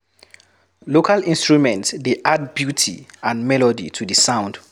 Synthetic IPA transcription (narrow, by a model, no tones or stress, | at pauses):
lokʰalĩnstɹumɛ̃ntsdeʔad̚bjutʰḭãnmɛlɔdḭtʰudisãw̃nd